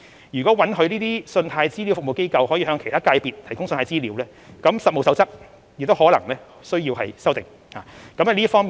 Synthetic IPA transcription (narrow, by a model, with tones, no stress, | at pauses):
jy˨kɔː˨˦˥wɐ˨˥nɦɵ˧ɥniː˥t̪iː˥sɵ˧nt̪ʰaː˧jt͡siː˥li˨˧˥wfʊ˨k̚mo˨wke˥jkɐ˧whɔː˨˥jiː˧ɦœː˨˧ŋkʰe˨˩jt̪ʰaː˥kaː˧jpiː˨t̚t̪ʰjkʊ˥ŋsə˧nʰː˧jt͡siː˥li˨˧˥wlɛː˦˥ | kɐ˨˥msɐ˨t̚mo˨˧wsɐ˨˧wt͡sɐ˥k̚ | jɪ˨k̚t̪o˥whɔː˨˥lɐ̰˨˩ŋlɛː˥ | sɵ˥ɥjiː˧wɦɐ˨jsɐ˥wt̪ɪ̰˨ŋ | haː˨kɐ˨˥mɐ˨˩liː˥fɔː˥ŋmiː˨